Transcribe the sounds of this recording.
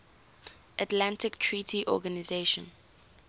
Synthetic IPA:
ʔatlãntɪktʰɹitʰiʔɔ̰ɡanizeʃɔ̰̃n

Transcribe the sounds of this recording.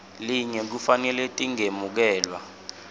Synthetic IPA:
liɲɛk̬ufanɛletʼiŋemuk̬ɛːlwa

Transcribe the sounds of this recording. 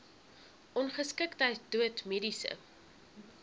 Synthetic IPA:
ʔɔnχəskəktɐjduətmedisə̰

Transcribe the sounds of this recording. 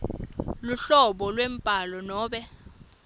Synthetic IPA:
luɬɔɓɔlwem̩pʼalɔnɔːɓɛ

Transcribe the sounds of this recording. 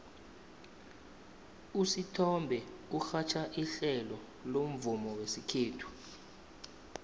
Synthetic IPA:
usitʰɔmbʱɛ | uxat͡ʃʰaʔiɬɛlɔ | lom̩vumɔwesikʰeːtʰu̥

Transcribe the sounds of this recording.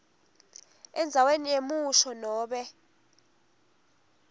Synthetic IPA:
ɛnd͡zʱawenijemuʃɔnɔːɓɛ

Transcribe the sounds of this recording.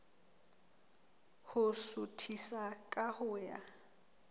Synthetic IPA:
hʊsʊtʰisakʼahʊːja̰

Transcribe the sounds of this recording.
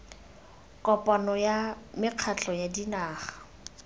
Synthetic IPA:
kʼɔpʼanɔjamɪq͡χʰat͡ɬʼɔjadinaːχḁ

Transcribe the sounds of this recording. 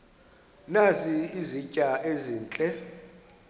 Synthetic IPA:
naziizicʼaʔeziːnt͡ɬʼɛ

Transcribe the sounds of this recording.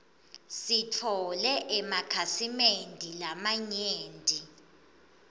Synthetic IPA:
sitʰɔlɛʔɛmakʰasimendʱilamaɲeːndʱi

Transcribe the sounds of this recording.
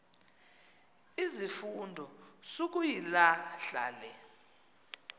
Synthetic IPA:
izifundʱɔsok̬ʼujilaɬa̰ːlɛ

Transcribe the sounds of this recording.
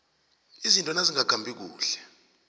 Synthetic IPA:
izintʼɔnaziŋaɡ̥ʱambʱik̬ṵːɬɛ

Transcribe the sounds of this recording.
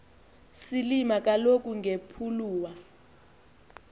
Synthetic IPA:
silimak̬ʼalok̬ʼuŋepʰuluːwa

